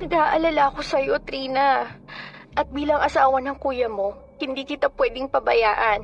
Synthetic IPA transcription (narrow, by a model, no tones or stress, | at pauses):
nɐɡaːʔɐlalaɐko̞sɐjot̪ɾiːnɐ | ʔɐt̪̚biːlɐŋʔɐsaːwɐnɐŋkuːjɐmo̞ | hɪnd̪iːkɪt̪apwɛːd̪ɪŋpɐbɐjaːʔɐn